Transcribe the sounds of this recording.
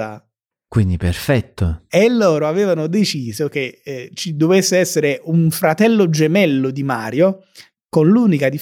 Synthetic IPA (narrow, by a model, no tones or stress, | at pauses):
a̰ | kwind̪iperfɛt̪ːoelːoːɾoavɛːvanod̪et͡ʃiːzok̟et͡ʃid̪ovesːeɛsːeɾeʔuɱfɾat̪ɛlːod͡ʒemɛlːod̪imaːɾjo | konluːnikad̪i